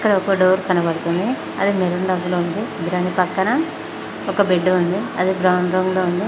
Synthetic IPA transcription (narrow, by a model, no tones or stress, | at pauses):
ɐkːɐɽɐɔkɐɖoːɾkɐnɐbɐɽut̪und̪i | ɐd̪imeɾuɳɖɐɡlound̪id̪ɾɐnipɐkːɐnɐ | ɔkɐbeɖːuund̪iɐd̪ibɾɐwɳɖɾɐːŋɡloːund̪i